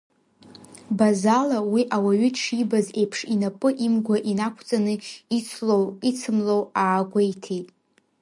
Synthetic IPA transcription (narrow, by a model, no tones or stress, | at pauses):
bazalawiʔawaɥʏʈ͡ʂʰibaze̞jpʰʂinapʼɨʔimɡʷaʔinakʷʰt͡sʼanɨ | owit͡sʰɨmlowaːɡʷajtʰitʼ